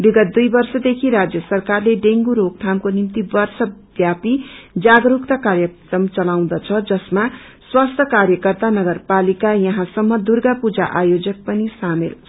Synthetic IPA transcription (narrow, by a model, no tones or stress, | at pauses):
biɡʌt̪̚d̪ujbʌrsʌd̪ekʰiɾad͡zjʌsʌrkarleɖeŋɡuɾok̚t̪ʰamkonimt̪ibʌrsʌbjapid͡zaɡɾukt̪ʌkaɾjʌkrʌmt͡sʌlaw̃d̪ʌt͡sʰʌd͡zʌsma | swast̪ʰʌkarjʌkʌrt̪anʌɡʌrpalikajʌɦãsʌmːʌd̪urɡapud͡za̰ʔajod͡zʌk̚pʌnisamel